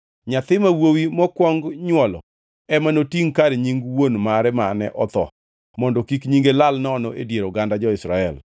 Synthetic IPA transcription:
ɲat̪ɪmawowimɔkwɔŋɡɲwɔlɔ̰ | ɛmanotiŋkaɾɛɲiŋɡwonmaɾɛmanɛ̰ʔɔt̪ɔ̰ | mɔndɔkikɲiŋɡelalnɔnɔʔedjeɾoɡandad͡ʒɔɪsɾaɛl

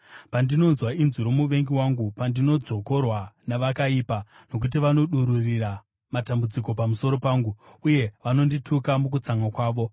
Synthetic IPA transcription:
pandino̞nzwainzuɾomuʋe̞ŋɡiwaŋɡupandino̞d͡zo̞ko̞rwanaʋakaiːpa | no̞k̬ut̬iʋano̞ɗuɾurira | matambud͡ziko̞pamuso̞ɾo̞paːŋɡuuje̞ʋano̞nditʰukamuk̬ut͡saŋakwaːʋo̞

